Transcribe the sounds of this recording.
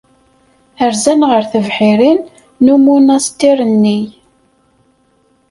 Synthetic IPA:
əɾzænʁəɾθəvħiɾinː | umunæst̪iɾˤənːi

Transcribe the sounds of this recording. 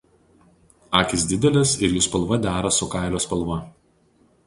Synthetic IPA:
ɑːkʲɪs̬ʲd̪ʲɪd̪ʲɛlʲɪsɪɾjuːspɐlˠʋɐd̪ʲæːɾɐsʊkɑˑɪlʲoːspɐlˠʋɐ

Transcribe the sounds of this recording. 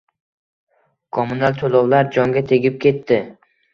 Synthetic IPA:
kʰɒmʊnalt̪ʰolɒwlaɾd͡ʒɒŋɡʲat̪ʰe̞ɡʲɪp̚kʲe̞t̪ːɪ

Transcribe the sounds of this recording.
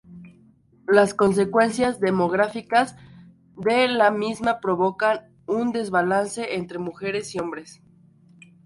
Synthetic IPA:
lasko̞ns̬e̞kwe̞nsjazðe̞mo̞ɣ̞ɾafikaz | d̪e̞lamizmapɾo̞βo̞kan | und̪e̞zβalanse̞ʔent̪ɾe̞muxe̞ɾe̞sio̞mbɾe̞s

